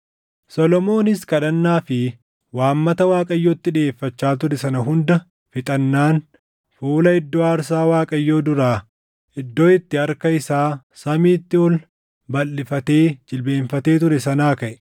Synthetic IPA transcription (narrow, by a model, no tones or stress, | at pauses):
sɔlɔmo̞ːnɪskɐᶑɐnːaːfɪ | waːmːɐt̪ɐwaːkʼɐjːoːt̪ːɪᶑe̞ːfːɐt͡ʃːaːt̪̬ʊɾɛsɐnɐɦʊnd̪ɐ | fɪt̪ʼɐnːaːn | fuːlɐɪd̪ːoːaːɾsaːwaːkʼɐjːo̞ːd̪ʊɾaː | ɪd̪ːo̞ːɪt̪ːɪɐɾkɐɪsaː | sɐmiːt̪ːɪɔl | bɐlːɪfɐt̪e̞ːd͡ʒɪlbe̞ːnfɐt̪e̞ːt̪ʊɾɛsɐnaːkɐʔɛ̥